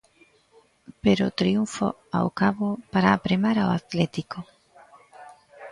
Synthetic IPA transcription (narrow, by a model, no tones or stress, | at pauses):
peɾot̪ɾiuɱfo̰ | a̰wkaβopaɾapɾemaɾaoat̪lɛt̪iko